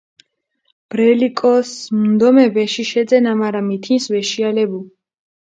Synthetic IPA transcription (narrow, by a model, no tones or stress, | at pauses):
b̥ɾɛlikʼɔsmnd̪ɔmɛvɛʃiʃɛd̪zɛnamaɾamit̪ʰinsvɛʃialɛbu